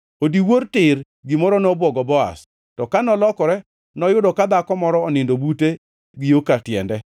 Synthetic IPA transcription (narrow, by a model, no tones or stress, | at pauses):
odiwortɪr | ɡɪmɔɾɔnɔbwɔɡɔbɔa̰s | tɔkanɔlɔkɔɾɛ | nɔjʊdɔkad̪akɔmɔɾɔɔnɪndobute | ɡɪjokatjɛ̰ndɛ